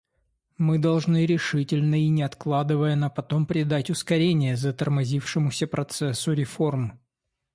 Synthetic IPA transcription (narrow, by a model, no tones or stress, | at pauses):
mɨd̪ɐlˠʐnɨɾʲɪʂɨtʲɪlʲnəinʲɪɐt̪klˠad̪ɨvəjənɐpɐt̪o̞mpɾʲɪd̪atʲʊskɐɾʲenʲɪjəzət̪ərmɐzʲifʂɨmʊsʲəpɾɐt̪sɛsːʊɾʲɪfo̞rm